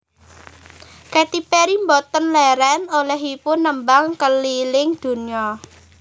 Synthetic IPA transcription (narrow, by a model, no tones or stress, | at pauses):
kɛt̪ipɛɾimbɔt̪ənlɛɾɛnolɛɦipʊnːəmbaŋkəlilɪŋd̪̥ṳniɔ